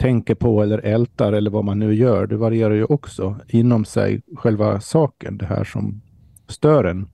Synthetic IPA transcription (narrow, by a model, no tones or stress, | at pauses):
t̪ʰɛŋkəɾpʰɔɛlːəɾʔɛlt̪aɾɛlːəɾvamanːʉ̟ːjœːɖɛvaɾɪeːɾaɾjɵʔɔksɔɪnːɔmsɛ̰jɧɛlva̰sɑːkə̰nd̪ɛɦæ̰ːʂɔ̰m | st̪œːɾɛn